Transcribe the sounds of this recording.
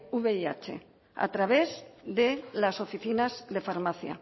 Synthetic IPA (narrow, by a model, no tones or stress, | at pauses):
uβeiat͡ʃḛ | a̰t̪ɾaβezðelaso̞fiθinazðe̞faɾmaθja̰